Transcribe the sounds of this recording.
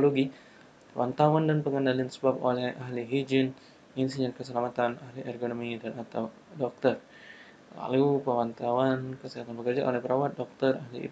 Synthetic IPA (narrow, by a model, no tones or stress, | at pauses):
oloɡi | pəwant̪awandanpəŋənaliansə̥bap̚o̰lɛhaɦliɦid͡ʒɪn | insiɲənkəsəlamat̪anaɦliʔɛrɡonomidanat̪aw | dɔk̚t̪ər | la̰lupəwant̪awankəsəɦat̪anbəkərd͡ʒaʔo̰lɛhpəɾʔawat̪̚dɔk̚t̪ərahlḭ